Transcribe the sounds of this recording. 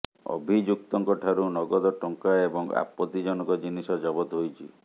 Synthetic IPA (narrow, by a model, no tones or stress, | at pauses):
ɔ̰bʱid͡ʒuk̚t̪ɔŋkɔʈʰaɾunɔɡɔd̪ɔʈɔŋkaebɔŋa̰pːɔt̪id͡ʒɔnɔkɔd͡ʒinisɔd͡ʒɔbɔt̪ɦojt͡ʃʰi